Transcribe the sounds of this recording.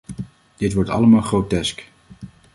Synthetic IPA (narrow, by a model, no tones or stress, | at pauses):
d̥ɪtʋɔɹtɑ̰ləmaːlˠχrowtɛsk